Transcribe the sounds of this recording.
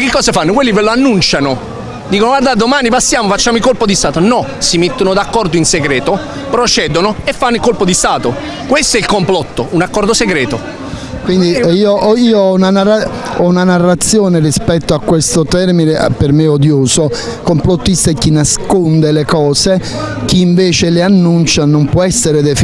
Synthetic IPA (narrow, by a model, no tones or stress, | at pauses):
kːɪkːɔːsefanːokwelːiveloanːunt͡ʃano | d̪iːkonoɡwaɾd̪ad̪omaːnipasːjaːmofat͡ʃːaːmoikolpod̪ist̪aːt̪onɔsimet̪ːonod̪akːɔrd̪oinseɡɾɛːt̪o | pɾot͡ʃɛːd̪onoefːanːoikːolpod̪ist̪aːt̪o | kwest̪oɛilkomplɔt̪ːounakːɔrd̪oseɡɾɛːt̪o | kwind̪iiːoʔɔiːoɔunanara | ɔunanarːat̪sːjɔːnerispɛt̪ːoakːwest̪ot̪ɛrminḛpermeod̪joːso | komplot̪ːist̪aɛkːinaskond̪elekɔːse | k̟iːɱveːt͡ʃeleanːunt͡ʃanompwɔɛsːeɾed̪ef